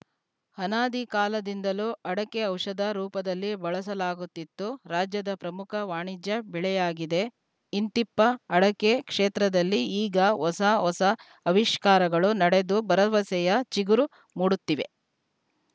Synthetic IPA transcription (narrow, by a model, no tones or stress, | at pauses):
hɐnaːd̪ikaːlɐd̪ind̪ɐluʔɐɽɐkeɐwʂɐd̪ɐɾuːpɐd̪ɐlːibɐɭɐsɐlaːɡut̪ːit̪ːuɾaːd͡ʒjɐd̪ɐpɾɐmukʰɐʋaːɳid͡ʒjɐbɛɭɛjaːɡid̪e̞ | int̪ipːɐːɽɐkekʂeːt̪ɾɐd̪ɐlːiiːɡɐɦɔsɐɦɔsɐ | ɐʋiʃkaːɾɐɡɐɭunɐɽe̞d̪ubɐɾɐʋɐsɛjɐt͡ʃiɡuɾu | muːɽut̪ːiʋe̞